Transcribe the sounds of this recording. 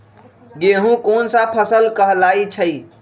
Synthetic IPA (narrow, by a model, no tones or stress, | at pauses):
ɡeɦũkoːnsapʰəsəlkəɦlaːit͡ʃʰəi